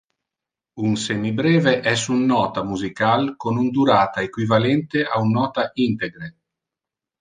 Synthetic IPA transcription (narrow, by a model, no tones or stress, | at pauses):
unsenːibɾɛːveʔɛsunːɔːt̪amuzikalkonund̪uɾaːt̪aekwivalɛnt̪eaunːɔːt̪aʔint̪eɡɾe